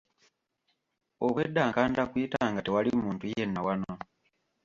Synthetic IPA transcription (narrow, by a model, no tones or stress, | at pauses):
oβwedːaːŋkaːndakwiːtaːŋɡatewalimuːntujenːawano